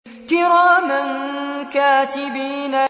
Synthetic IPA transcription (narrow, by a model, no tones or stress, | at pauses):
kɪɾaːmankaːt̪ɪbiːna